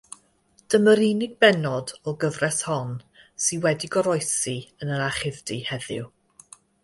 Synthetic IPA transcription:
d̥əməɾinɪɡ̚bɛnɔdɔɡəvrɛshɔn | siwɛdiɡɔɾɔjsiənəɾaχɪvdihɛðɪ̰w

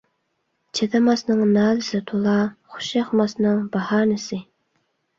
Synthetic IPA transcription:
t͡ʃʰet̪ʰɛmɑsnɨŋnɑːlɪsɪt̪ʰolˠɑχʊ̥ʃɑχmɑsnɨŋbɑhɑːnɪsɪ

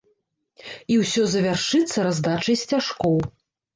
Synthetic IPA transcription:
iwsʲɔzɐvʲarʂɨt̪sːɐɾazd̪at͡ʂɐjsʲt͡sʲaʂkɔw

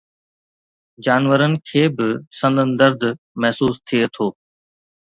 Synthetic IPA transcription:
d͡ʑaːnʋəɾənɪ̆kʰeːbɪsə̃nd̪ənd̪əɾd̪ʱ | mɛɦsuːst̪ʰiet̪ʰoː

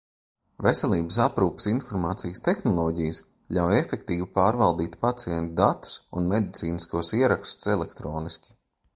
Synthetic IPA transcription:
vesɛlˠiːbəs̬apɾuːpə̥sinfɔɾmaːt̪sijəst̪exnɔlˠɔːɟijəs | ʎʲawjefɛkt̪iːvipaːɾvalˠd̪iːt̪pat̪sijɛnt̪ud̪at̪u̥sṵnmed̪it̪siːniskuɔsiɛɾakst̪u̥sɛlˠɛkt̪ɾɔːniskʲi̥

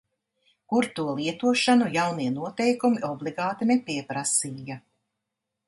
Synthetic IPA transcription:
kuɾt̪uɔlˠiɛt̪uɔʃanujawniɛnuɔt̪ɛjkumiʔɔblˠiɡɑːt̪inɛpiɛpɾasiːja

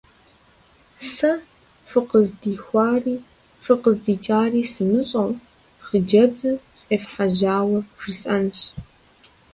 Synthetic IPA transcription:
sɐ | fʷɨqəzdiːxʷɑːriː | fɨqəzdiːt͡ʃʼaːriːsɨmɨɕʼɐw | χəd͡ʒɐbzɨɕʼeːfħaʑaːwɐʒ̥ɨsʼɐnɕ

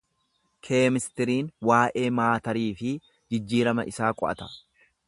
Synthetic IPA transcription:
kʰeːmɪst̪ɪɾiːnwaːʔe̞ːmaːt̪ɐɾiːfɪ | d͡ʒɪd͡ʒːiːɾɐmɐ̰ʔɪsaːkʼɔ̰ʔɐ̰t̪ɐ̥

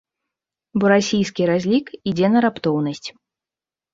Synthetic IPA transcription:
bɔɾasʲijskʲiɾazʲlʲikid͡zʲɛnɐɾapt̪ɔwn̪ɐsʲt͡sʲ

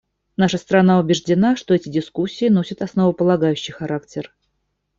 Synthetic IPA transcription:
naʂəst̪ɾanaʊbʲɪʐdʲɪnaʂt̪o̞ɛtʲɪdʲɪskusʲːɪːnosʲət̪ɐsnəvəpəlˠɐɡajʉɕːɪjxɐɾaktʲɪr

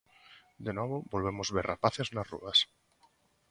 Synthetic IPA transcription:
d̪enɔβ̞obolβ̞emozβeɾrapaθeznarṵðas

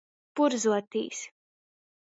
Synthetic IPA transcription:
puɾzuɔt̪ḭːs

